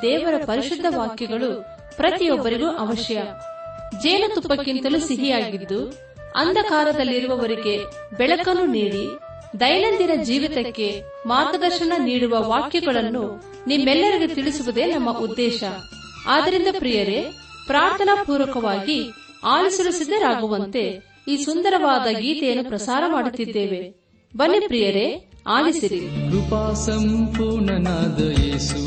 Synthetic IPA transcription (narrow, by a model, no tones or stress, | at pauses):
d̪ɛːʋɐɾɐpɐɾiʃud̪ʱːɐʋaːkjɐɡɐɭu | pɾɐt̪ijɔbːɐɾiɡuʔɐʋɐʃjɐ | d͡ʒɛːnɐt̪upːɐkːint̪ɐlusiɦijaːɡid̪ːu | ɐ̰nd̪ʱɐkaːɾɐd̪ɐlːiɾuʋɐʋɐɾiɡe̞ | bɛɭɐkɐnːuniːɽi | d̪ɐjnɐnd̪inɐd͡ʒiːʋit̪ɐkːe̞ | maːɾɡɐd̪ɐɾʃɐɳɐniːɽuʋɐʋaːkjɐɡɐɭɐnːu | nimːɛlːɐɾiɡet̪iɭisuʋud̪e̞ːnɐmːɐʔud̪ːɛːʃɐ | aːd̪ɐɾind̪ɐpɾijɐɾe̞ | pɾaːɾt̪ʰɐnapuːɾɐkɐʋaːɡi | aːlisɐɾusid̪ːɐɾaːɡuʋɐnt̪e̞ | iːsund̪ɐɾɐʋaːd̪ɐɡiːt̪ɛjɐnːupɾɐsaːɾɐmaːɽut̪ːid̪ːe̞ːʋe | bɐnːepɾijɐɾe̞aːlisiɾiɡupaːsɐmpuːɾɳɐnaːd̪ɐjeːsu